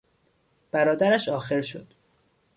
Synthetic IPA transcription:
b̥æɾɒːd̪æɾæʃɒːxeɾʃo̰d̪̥

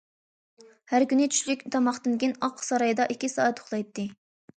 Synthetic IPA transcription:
hæɾkʲynɪt͡ʃ̪ʰy̥ʃlykʲt̪ʰɑmɑχd̪ɨnkʲinɑqʰsɑɾɑjd̪ɑʔikʲːisɑ̰ːɛt̪ʰːo̥χlˠɑjt̪ːɨ

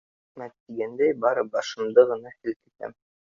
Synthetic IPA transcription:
mæt̪ːiɡænd̪æjbɑɾɤbɑʃɤ̆md̪ɤʁɤ̆nɑhɘ̆lk̪ɘ̥̆t̪æ̰m

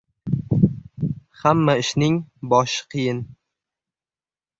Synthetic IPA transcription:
hamːaɪʃnɪŋbɒʃqʰɨjɪn

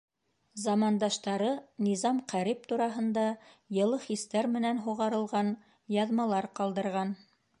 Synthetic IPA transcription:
zɑmɑnd̪ɑʃt̪ɑɾɤnizɑmqæɾip̚t̪uɾɑɦɤ̆nd̪ɑjɤ̆lˠɤχist̪æɾmɘ̆nænɦuʁɑɾɤ̆lˠʁɑn | jɑðmɑlˠɑɾqɑlˠd̪ɤ̆ɾʁɑn

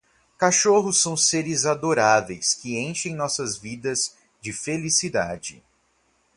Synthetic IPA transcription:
kaʃoɦʊsːɐ̃w̃seɾɪzad̪oɾavejskɪẽʃẽj̃nɔsɐzvid̪ɐz̥ | d͡ʒɪfelisid̪a̰d͡ʒɪ

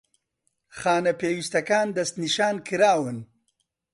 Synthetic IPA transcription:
xaːnɐpeːwist̪ɐkaːnd̪ɐst̪niʃaːnkiɾaːwun

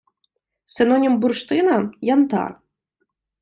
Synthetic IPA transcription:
sɨnɔnʲimburʂt̪ɨnɐjant̪a̰r

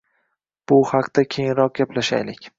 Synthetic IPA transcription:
b̥ʊhɑqd̪̥akʲʰejɪnɾɒq̚ɡʲaplaʃa̰jlɪkʲ

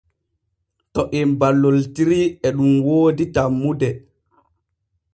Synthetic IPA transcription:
tɔʔɛmbalːoltiɾiɛɗumwoːditamːudɛ

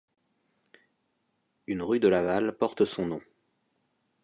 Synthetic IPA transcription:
ynʁyd̪əlavalpɔʁt̪sɔ̃nɔ̃

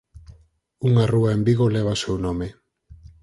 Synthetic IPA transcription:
uŋaruaembiɣ̞oleβ̞asewnõme

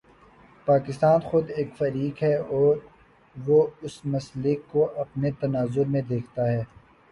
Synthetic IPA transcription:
paːkɪst̪aːnxʊd̪eːkfɐɾiːkɦɛɔːɾ | ʋoʊsmɐslekːoʔɐpnet̪ɐnaːzʊɾmẽd̪eːkʰt̪aɦɛː

